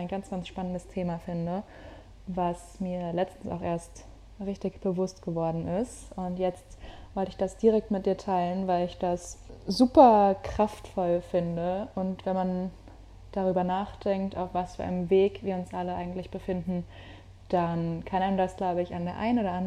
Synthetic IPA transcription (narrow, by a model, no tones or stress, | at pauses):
ʔaɪnɡant͡sɡ̥ansʃpanəndəstʰeːmafɪndə | vas | miːɐlɛt͡stn̩sa̰ʊxʔeːɐst | ʁɪçtɪçb̥əvʊstɡ̥əvɔɐdn̩ɪstʊntjɛt͡stv̥ɔltɪçd̥asd̥iːʁ̞ɛk̚tmɪt̚ʔiːɐtʰaɪlənvaɪlɪçd̥aszuːpɐkʁ̥aftfɔlfɪndəʔʊntv̥ɛnman | d̥aʁyːbɐnaːχd̥ɛŋk̚tʔa̰ʊfv̥asfyːɐʔa̰ɪnəmveːkv̥iːɐʊnsʔaləʔa̰ɪɡŋ̩tlɪçb̥əfɪndn̩ | d̥ankʰanandasɡ̥laʊbəɪçandeːɐʔa̰ɪnoːɾɐʔand